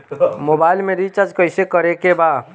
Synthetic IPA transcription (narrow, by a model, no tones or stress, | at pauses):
moːbaːɪlmẽɾit͡ʃɐd͡ʒkəɪsekəɾekebaː